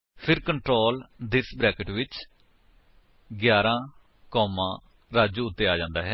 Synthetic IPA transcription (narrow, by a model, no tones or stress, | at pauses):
pʰɪɾkəɳʈɾoːld̪ɪsbɾɛːkəʈʋɪt͡ʃ | ɡjaːɾãː | kɔːmãː | ɾaːd͡ʒũːʊt̪ːeːaːd͡ʒãːnd̪a̰ːɦɛː